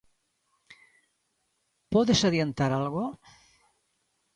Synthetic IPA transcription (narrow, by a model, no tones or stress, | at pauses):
pɔðesaðjent̪aɾalɣo